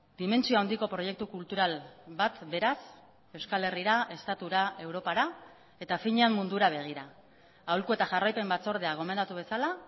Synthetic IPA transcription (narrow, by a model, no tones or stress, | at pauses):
d̪̥ime̞nt͡sioauwnd̪iko̞pɾo̞je̞k̚t̪ukult̪uɾalbat̪be̞ɾas | e̞wskale̞riɾae̞st̪at̪uɾae̞wɾo̞paɾa | e̞t̪afiɲeamːund̪uɾaβ̞e̞ɣ̞iɾaː | wlkue̞t̪aʝarajpe̞mbat͡so̞ɾð̞eaɣ̞o̞me̞nd̪at̪uβe̞sala